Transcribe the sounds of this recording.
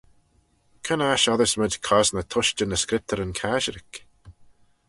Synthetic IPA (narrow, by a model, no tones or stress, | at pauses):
kʰənaʃɔðɪsmədʲkʰɔznət̪ʰʊʃt͡ʃənəskɾɪp̚t̪əɾənkʰaːʃəɾɪk